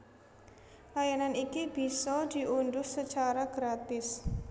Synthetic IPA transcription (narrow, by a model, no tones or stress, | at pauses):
lajananikib̥i̤sɔd̪̥i̤ʔundʊssət͡ʃaɾaɡ̥ɾat̪ɪs